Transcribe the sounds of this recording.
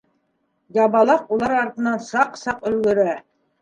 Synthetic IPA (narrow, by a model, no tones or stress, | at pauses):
jɑβbɑlˠɑqulˠɑɾɑɾt̪ɤ̆nɑnsɑqsɑqɵ̆lɡɵ̆ɾæ